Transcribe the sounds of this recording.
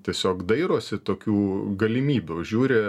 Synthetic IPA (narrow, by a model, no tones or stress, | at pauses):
t̪ʲiɛsʲoːkd̪ɐɪɾoːsʲɪt̪oːkʲuːɡɐlʲɪmʲiːbʲuːʒʲuːɾʲɪ